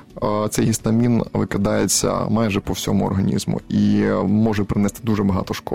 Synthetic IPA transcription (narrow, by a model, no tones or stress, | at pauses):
t̪sɛjɦʲist̪ɐmʲinʋɪkɐd̪ɑjet͡sʲːɐ̰mɑjʐɛpɔwsʲɔmʊɔ̰rɦɐnʲḭzmʊ̰imɔʒɛpɾɪnɛst̪ɪd̪uʐɛbɐɦɑ̰t̪ɔʃkɔ